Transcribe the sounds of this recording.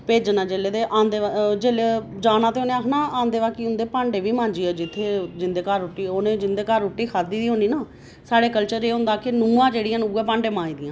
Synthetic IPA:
peːd͡ʒnaːd͡ʒeːleːd̪eːʔaːnd̪eːd͡ʒeːled͡ʒaːnãːt̪eːoːnẽːaːkʰnaːãːnd̪eːʋaːkiːʊnd̪eːpaːɳɖeːʋiːmãːɲd͡ʒiːɛːd͡ʒɪt̪ʰːeːd͡ʒɪnd̪eːkəɾoːʈːiːoːnẽːd͡ʒɪnd̪eːkəɾːʊʈːiːkʰaːd̪iːd̪iːɦõːnd̪iːnaː | saːɽeːkəlt͡ʃəɾeːɦʊ̃nd̪aːkɪnũːãːd͡ʒeːɽijãːnuːɛːpãːɳɖeːmãːĩːd̪ɪjãː

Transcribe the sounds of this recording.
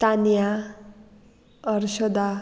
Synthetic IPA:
t̪anja | ʌrsʌd̪a

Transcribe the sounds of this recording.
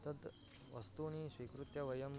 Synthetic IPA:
t̪əd̪ | ʋɐst̪unisʋikɾut̪jɐʋɐjɐm

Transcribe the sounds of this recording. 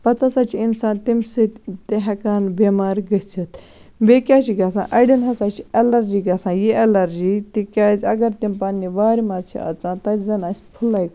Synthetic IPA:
pɐt̪ɐsat͡ʃʰiinsaːnt̪imsɨt̪eɦɐkaːnbemaːɾɡət͡sʰit̪ | beːkʲaːt͡ʃʰiɡɐsã̰ːʔɐɖinɦɐsaːt͡ʃʰiɐlɐɾd͡ʒiːɡɐsãːjiʔɐlɐɾd͡ʒit̪ikʲaːzʲɐɡɐɾt̪impaːnːiʋaːɾʲimat͡ʃʰḭɐ̰t͡sãːnt̪ɐzɐnasʲpʰulaːj

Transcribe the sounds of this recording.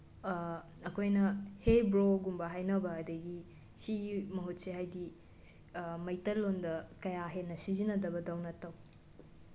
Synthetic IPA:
kʰojnɐhebɾoɡumbɐɦajnɐbɐːdɐɡi | siɡimɐɦot̚seɦajdi | mɐjtɐlːondɐkɐjaɦenːɐsizinɐdɐbɐdawnɐtɐw

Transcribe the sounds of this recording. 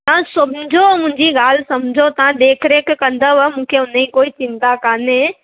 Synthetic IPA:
t̪ɐãsʊmd͡ʒʱomʊ̃ɪɲd͡ʒiɡaːlsɐmd͡ʒʱot̪ɐɦãd̪eːkʰɾekekə̃nd̪əʋɛmũːkʰeʊneĩkoːit͡ʃɪ̃nt̪akaːne

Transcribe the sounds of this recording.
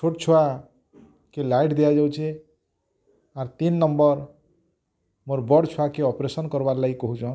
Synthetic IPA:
t͡ʃʰoʈt͡sʰua | kelajʈd̪ejad͡ʒaw̃t͡ʃʰi | aɾt̪inːʌmbʌɾ | moɾbʌɽt͡ʃʰuakeɔpɾesʌnkʌɾbaɾlajkɔɦut͡sʰɔ̃

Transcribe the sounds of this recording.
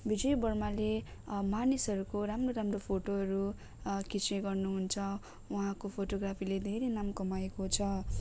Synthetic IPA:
bid͡zʌibʌrmalemanisʌɾukoɾamroɾamropʰoʈoɦʌɾu | kit͡siɡʌrnuɦunt͡sʰʌ | wʌɦãkopʰoʈoɡrapʰiled̪ʱeɾenamkʌmaekot͡sʰʌ

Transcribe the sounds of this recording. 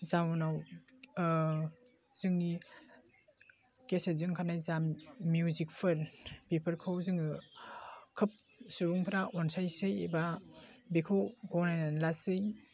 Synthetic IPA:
zawnaw | z̥ɯŋni | kesezɯŋkʰanajzamːjuzik̚pʰɯɾbipʰɯɾkʰɯwzɯŋɯ | kʰɯp̚ | subuŋpʰɾaʔɔnsajsɯjebabekʰɯwɡɔnajnanlasɯj

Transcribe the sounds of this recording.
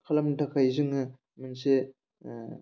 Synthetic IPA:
kʰalamtʰakʰajzɯŋɯ | mɯnse

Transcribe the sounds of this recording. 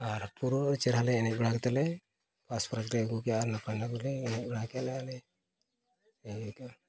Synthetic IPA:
aɾpuɾuɾt͡ʃɛɾɦalɛɛnɛt̪̚bɽakt̪ɛlɛ | paspɾakɾɛɡukɛjaʔɾnapajnakulɛːnɛt̪̚bɽakɛjalɛalɛ | ɡɛka

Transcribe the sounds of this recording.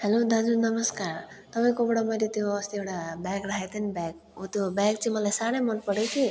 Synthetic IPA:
helod̪ad͡zunʌmʌskaɾt̪ʌpaj̃kobɽamʌɾit̪joʌst̪iewʈabaɡɾaɦet̪ʰinibak | ot̪jobaɡ̚t͡sʰiĩmʌlajsaɽemʌnpʌɽet͡sʰi

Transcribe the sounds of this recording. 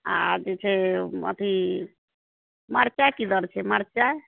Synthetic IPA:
a̰d͡ʒet͡ʃʰeə̰t̪ʰi | maɾt͡ʃakid̪əɾt͡ʃʰemaɾt͡ʃa

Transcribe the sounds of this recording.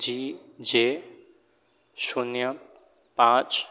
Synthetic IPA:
d͡ʑiː | d͡ʑeː | ʃunjə | pãːt͡ʃ

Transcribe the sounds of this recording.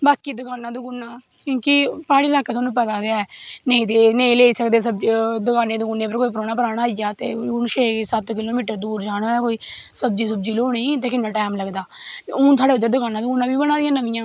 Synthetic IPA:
baːkiːd̪ʊkaːnaːd̪ʊkʊːnːãː | kjõːkɪpaːɽiːlaːkːeːt̪ʰaːnũːp̬ɛːd̪aːd̪eaːɛːnə̃ĩːt̪eːnẽĩːleːsəkd̪eːsəbd̪ʊkaːneːd̪ʊkuːnːeːpəɾkoːiːpəɾoːnaːpəɾaːɽaːijaːt̪ḛːʊnʃeːsət̪kɪloːmiːʈəɾd̪uːɾd͡ʒaːɽ̃aːɛːkoːiː | səbd͡ʒiːs̬ʊb̚d͡ʒiːloːɽ̃iːt̪eːkɪnːãːʈaːmləɡd̪a̰ː | ʊːnt̪̬ʰaːɽeːʊd̪əɾd̪ʊkaːnaːd̪ʊkʊnːãːbiːbəɽ̃aːd̪ɪjãːnəʋɪjãː

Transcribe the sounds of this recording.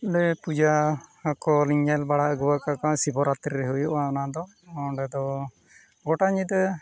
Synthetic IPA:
ɖɛpud͡ʒaakɔliɲɛlbaɽaəɡuwakakasibɔɾat̪ɾɾɛɦujɔʔaɔnad̪ɔ | ɔɖɛd̪ɔ | ɡɔʈaɲid̪

